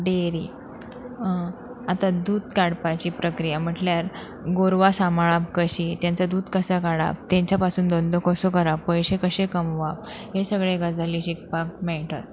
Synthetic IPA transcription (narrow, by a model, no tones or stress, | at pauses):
ɖeɾi | at̪ad̪uːd̪kaɽpat͡ɕiːpɾəkɾijam̤əʈljaɾ | ɡoɾʋasamɭap̚kəɕit̪jant͡sad̪uːd̪kəsakaɽa̰p̚t̪jẽɲt͡ɕjapasuːnd̪ɔnd̪ʱokʰɔsokəɾapːəjɕekəɕekəmʋap̚ɦesəɡɭeɡad͡zʱaliːɕik̚pak̚mɛɭʈət̪̚